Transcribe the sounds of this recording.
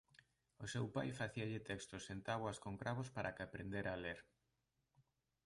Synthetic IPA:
osewpajfaθiaʎɪt̪ɛkst̪osent̪aβwɐskoŋkɾaβ̞ospaɾʔakapɾend̪eɾaleɾ

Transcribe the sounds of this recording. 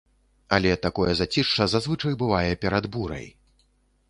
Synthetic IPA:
a̰lʲɛt̪akɔjɛzat͡sʲiʂt͡ʂɐzazvɨt͡ʂɐjbɨvajɛpʲɛɾad̪buɾɐ̰j

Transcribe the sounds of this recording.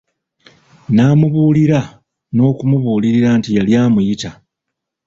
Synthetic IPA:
naːmuβuːliɾa | no̞ːkumuβuːliɾiɾaːntijaljaːmujita

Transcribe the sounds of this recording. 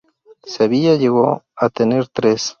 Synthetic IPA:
seβijajeɣo̰at̪eneɾt̪ɾes

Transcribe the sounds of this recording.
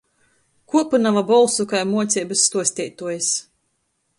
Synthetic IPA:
kuɔpɨnavabɔlˠsukajmuɔt̪sʲɛːbɨsːt̪uɔsʲt̪ʲɛjt̪uɔjas

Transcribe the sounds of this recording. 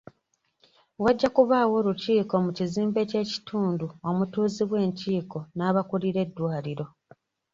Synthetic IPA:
waɟːakuβaːwo̞ːɾuciːko̞muciziːmbece̞ːci̥tʰuːnduo̞mutuːziβwe̞ːɲciːko̞naːβakuliɾe̞dːwaːliɾo̞

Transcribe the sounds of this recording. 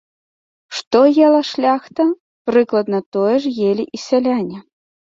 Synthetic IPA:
ʂt̪ɔjɛlˠɐʂlʲaxt̪ɐ | pɾɨklˠɐd̪nɐt̪ɔjɛʂjelʲiʔisʲalʲanʲɛ

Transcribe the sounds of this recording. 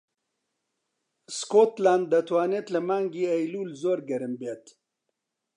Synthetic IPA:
skoːt̪laːnd̪ːɐt̪waːneːt̪lɐmaːŋɡiːejluːlzoːɾɡɐɾɨmbeːt̪

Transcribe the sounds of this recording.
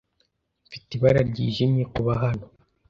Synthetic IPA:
fi̥teβaɾaɾɟiːʒimɲekuβaɦano

